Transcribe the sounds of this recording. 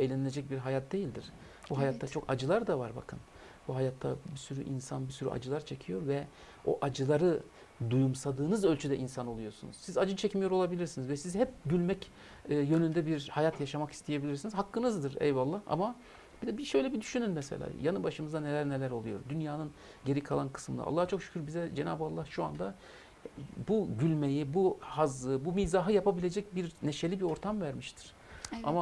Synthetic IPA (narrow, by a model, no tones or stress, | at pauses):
ejlʲenilʲe̞d͡ʒɛc̚biɾɦajat̪̚d̪e̞jilʲd̪iɾ̥ | buɦajat̪ʰːat͡ʃʰo̞kad͡ʒɯlˠaɾd̪avaɾba̰kʰɯn | buɦajat̪ʰːabisyɾy̰ʔinsanbisyɾy̰ʔa̰d͡ʒɯlˠaɾt͡ʃʰe̞cʰijo̞ɾvɛ | o̞̰ʔad͡ʒɯlˠaɾɯ | d̪ujumsad̪ɯːnɯzø̞lʲt͡ʃʰyd̪ɛʔinsanolˠujo̞ɾsunṵz̥sizad͡ʒɯt͡ʃʰɛcmijo̞ɾo̞lˠabilʲiɾsinizvɛsizhɛp̚ɟylʲmɛcː | jø̞nynd̪ɛbiɾhajat̪jaʃamakist̪ʰije̞bilʲiɾsinizhakːɯnɯzd̪ɯɾɛ̰jvalˠːaha̰ma | b̥id̪ɛbiʃø̞jlʲɛbid̪yʃynynmɛse̞̰lʲa̰ːjanɯbaʃɯmɯzd̪anelʲæɾnelʲæɾo̞lˠujo̞ɾd̪ynjaːnɯn | ɟe̞ɾikʰalˠankʰɯ̥sɯmlˠa̰lˠːaht͡ʃʰo̞kʃy̥cʰʲyɾbizɛd͡ʒena̰ːbɯalˠːahʃua̰nd̪a | buɟylʲme̞jibuhazlˠɯbumiːzaːɦɯjapabilʲe̞d͡ʒɛc̚biɾneʃe̞lʲibio̞ɾt̪ʰamvæɾmiʃt̪ʰi̥ɾ̥ | a̰ma